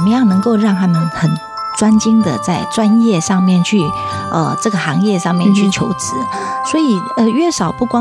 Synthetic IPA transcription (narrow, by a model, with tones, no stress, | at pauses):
mə˦jɑ˥˩ŋnɤ˧˥ŋko˥˧ʊɻɑ˥˩ŋt̪ʰa˥mə˨nxə˨˩n | ʈ͡ʂwa˥nt͡ɕi˥ŋd̪ə̰˨t͡sa˥˩ɪʈ͡ʂwa˦˥njɛ˥˧ʂɑ˥˧ŋmjɛ˥˧˨nt͡ɕʰy˥˩ | ə̰˧ʈ͡ʂɤ˥˩ɡə˩xɑ˧˥ŋjɛ˥˧ʂɑ˥˧ŋmjɛ˥˧nt͡ɕʰy˥˩t͡ɕʰjo˧˥ʊt͡sɹ̩˧˥˦ | swɔ˧˥i˨˩ | ə˧ɥɛ˥˩ʂɑ˨˩ʊpu˥˩kwɑ˥